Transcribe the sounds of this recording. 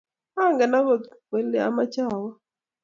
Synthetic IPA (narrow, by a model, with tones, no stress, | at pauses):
a˦˨ŋɡa˨na˦wo˦˨e˨˦lɛ˨a̰˦ma˦t͡ʃa˨wɔ˦